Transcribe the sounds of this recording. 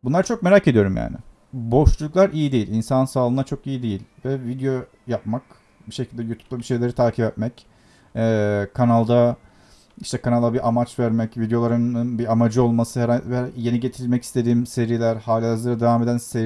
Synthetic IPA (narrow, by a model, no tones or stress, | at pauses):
bunlˠaɾt͡ʃʰok̚me̞ɾace̞d̪ijo̞ɾumja̰ːnɪ̰ | bo̞ʃluuklˠaɾijid̪ejilʲinsansaːlˠɯnd̪at͡ʃʰo̞kijid̪e̞jilʲvɛvid̪ejo̞ | jap̚mak | biʃecʰilʲd̪ɛjut̪ʰu̥p̚labiʃe̞jlʲe̞ɾit̪ʰaːcʰipɛt̪mɛc | ɛːkʰanalˠd̪a | iʃt̪ʰɛkʰanalˠabiʔamat͡ʃvæɾmɛcvid̪ejo̞lˠaɾɯnbiamad͡ʒɯo̞lˠmasɯhɛɾaje̞niɟe̞t̪ʰiɾilʲmɛci̥st̪ʰe̞d̪iːmse̞ɾilʲæɾhaːlʲizlˠaɾad̪evaːme̞d̪ænse